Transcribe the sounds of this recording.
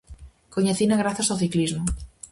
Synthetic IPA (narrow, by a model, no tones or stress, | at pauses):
koɲeθinaɣɾaθasaowθiklizmo